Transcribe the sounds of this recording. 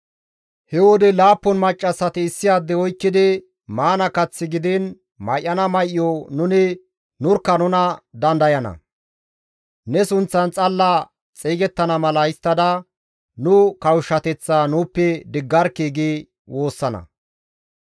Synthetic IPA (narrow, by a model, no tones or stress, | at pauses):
hɛwɔd̪ɛlaːpːɔnmɐt͡ʃʼːɐsːɐt̪ɪːsːɪjaːd̪ːɛɔjkːɪd̪ɪ | maːnɐkɐt͡sːɪɡɪd̪ɪn | mɐjʔːɐnɐmɐjʔɪjɔnʊnɪ | nʊɾkːɐnʊnɐd̪ɐnd̪ɐjɐnɐ̰ | nɛsʊnt͡sːɐnt͡sʼɐlːɐ | t͡sʼiːɡɛt̪ːɐnɐmɐlɐɪst̪ːɐd̪ɐ | nʊkɐwʃːɐt̪ɛt͡sːaːnʊːpːɛd̪ɪɡːɐɾkeːɡi | wo̞ːsːɐnɐ̰